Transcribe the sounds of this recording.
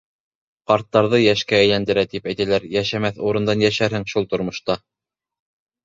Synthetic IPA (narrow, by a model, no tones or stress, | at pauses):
qɑɾt̪ːɑɾðɤjæʃkææ̆jlænd̪ɘ̆ɾæt̪ipæjt̪ælæɾjæʃæmæθuɾɤ̆nd̪ɑnjæʃæɾhɘŋʃulˠt̪ŏɾmŏʃt̪ɑ